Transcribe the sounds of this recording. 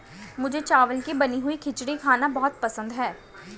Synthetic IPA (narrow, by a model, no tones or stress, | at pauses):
mʊd͡ʒʱet͡ʃaːʋəlkibɐniɦʊikʰɪt͡ʃɽikʰaːnabɔɦʊt̪pɐsə̃nd̪ɦɛː